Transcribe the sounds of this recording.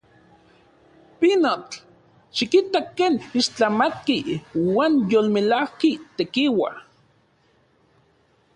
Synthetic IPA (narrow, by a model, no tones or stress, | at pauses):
pinot͡ɬ | ʃikit̪akːeːniʃt͡ɬamat̪̚kiwaːnjolmelahkit̪ekiwa̰